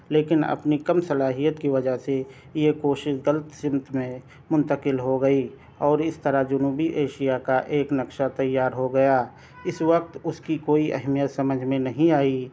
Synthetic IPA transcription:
leːkɪnɐ̰pnikɐmsɐlaːɦijət̪kiʋɐd͡ʒəɦse | jekoːʃɪʃɡələt̪sɪ̃mt̪mẽ | mʊ̃nt̪əkɪlɦoɡɐi | ɔːɾɪst̪əɾad͡ʒʊnuːbiʔeːʃijakaʔeːknəkʃat̪ɐjːaːɾɦoɡɐjaː | ɪswək̚t̪ʊskikoːiʔɛ̰ɦmijət̪sɐməd͡ʒʱmẽnɐɦĩaːi

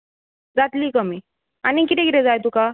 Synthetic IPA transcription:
d͡zat̪liːkəmi | anikit̪ẽɡiɾɛ̃d͡zajt̪uka

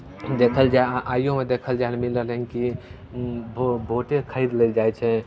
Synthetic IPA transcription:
d̪eːkʰəld͡ʒaʔaːjõmẽd̪eːkʰəld͡ʒaːnmɪləlɦɛ̃ŋki | bbʱoːʈekʰəid̪leːld͡ʒaːɛt͡ʃʰɛ

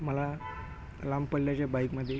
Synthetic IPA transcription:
məla | lampəlljat͡ɕabaikməd̪ʱːje

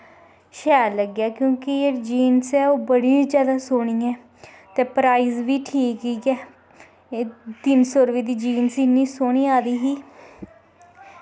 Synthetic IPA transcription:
ʃɛːɾləɡjaːkjõːkɪed͡ʒiːnsɛːoːbəɽiːd͡ʒjaːd̪aːsoːɳ̃iːɛː | t̪eːpɾaːiːzʋiːʈʰiːkiːkɛː | t̪ɪnsɔːɾʋiːd̪iːd͡ʒiːnsɪnːiːsoːɽiːaːd̪iːɦiː

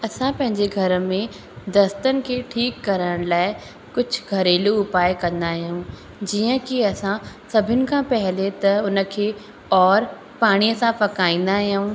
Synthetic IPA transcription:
ɐsãpɐ̃ɦɪ̃ɲd͡ʑeɡʱɐɾəmẽ | d̪ɐst̪ənɪ̆kʰeːʈʰiːkːɐɾəɽ̃laːɪ | kʊd͡ʑʱʊɡʱɐɾeːluʊpaːɪkɐ̃nd̪aɦijũ | d͡ʑiːə̃kiɐsãsɐbʱɪnɪ̆kʰãːpɐɦɪlet̪ɐʊnə̆kʰeː | ɔːɾ | paːɽ̃ijəsãpɐkaːĩːn̆d̪aɦijũː

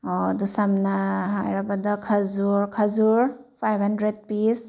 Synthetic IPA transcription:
ɔdusamnaɦajɾabadakʰazuɾkʰazuɾpʰajbhandɾed̚pis

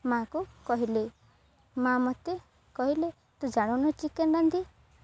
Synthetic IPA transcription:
makukɔɦile | mãmɔt̪e | kɔɦile | t̪ũd͡ʒaɽ̃unɔt͡ʃikennand̪i

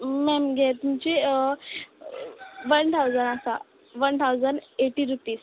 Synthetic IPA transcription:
mɛmɡɛt̪umt͡ɕi | ʋənt̪ʰawd͡zənasa | ʋənt̪ʰawd͡zəɳɖeʈiɾupiːs

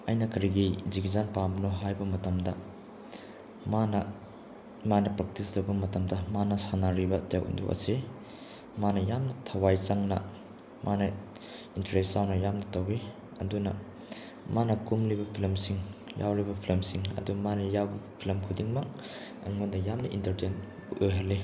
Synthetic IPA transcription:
ɐ̰jnɐkɐɾiɡiziɡizanpambɐnoɦajbɐmɐtɐmdɐ | manɐ | manɐpɾak̚tisdɐbɐmɐtɐmdɐmanɐsanaɾibɐtewʔṵndṵʔɐ̰se | manɐjamnɐtʰɐwajt͡ʃaŋnɐ̰ | manɐ | intɐɾesːawnɐjamnɐtɐwi | ɐ̰dunɐ̰ | manɐkumlibɐpʰilɐmsiŋja̰wɾibɐpʰilɐmsiŋɐ̰dumanɐjawbɐpʰilɐmkʰudiŋmɐk | ɐ̰ŋondɐjamnɐʔintɐɾten | utojɦɐlːi

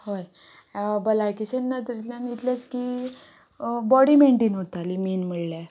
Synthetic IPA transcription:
hoj | bəlajkiɕenːat̪əɾit̪ljanit̪lat͡ski | bɔɽimeɳʈiːnɦot̪alimiːnmiɭlja

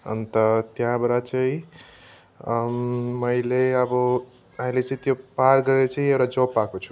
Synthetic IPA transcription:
ʌ̰nt̪ʌt̪jãbʌɾat͡sʌĩ | mʌjleʌbʌ | aɦĩlet͡sʌĩt̪jopaɾɡʌɾeɾʌt͡sʌĩewɾad͡zʌpːakot͡sʰu̥

